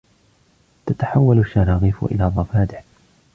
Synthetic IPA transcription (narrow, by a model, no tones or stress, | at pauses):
t̪at̪aħawːalʊʃːaɾɑːɣiːfʊ̰ʔɪ̰laːd̪ˤɑfaːd̪ɪħ